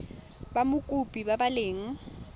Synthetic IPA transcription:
bamʊkʼupʼibabaleːŋ̩

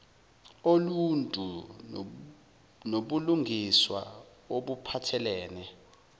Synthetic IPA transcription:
oluntʼu | noɓuluŋʱiswa̰ | oɓupʰatʰɛlɛːnɛ

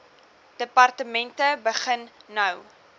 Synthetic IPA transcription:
d̥əpɐrtəmɛntəbəχənːɐw

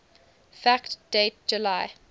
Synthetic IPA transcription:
fæktd̥et̚d͡ʒulaɪ

